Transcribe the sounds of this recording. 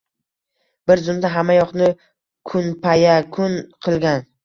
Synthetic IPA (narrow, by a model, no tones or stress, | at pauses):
b̥ɪɾzʊmd̪aɦamːajɒqnɪ | kʰʊnpʰajakʰʊnqʰɨlˠɡʲan